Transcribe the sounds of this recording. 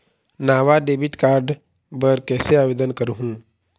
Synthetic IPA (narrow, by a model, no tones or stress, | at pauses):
naːʋaɖeːbɪʈkaːɾɖ | bəɾkɛːseaːʋeːd̪ənkɐɾuɦũː